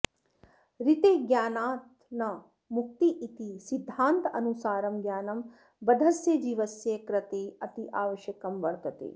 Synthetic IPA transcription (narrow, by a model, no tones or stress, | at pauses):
ɾit̪eːɡjaːnaːt̪ | nɐ | muk̚t̪iʔit̪isid̪ʱːaːnt̪ɐnusaːɾɐmɡjaːnɐm | bɐd̪ʱɐsjɐd͡ʒiːʋɐsjekɾɐt̪eːɐt̪iʔaːʋɐʃjɐkɐmʋɐɾt̪ɐt̪ḛː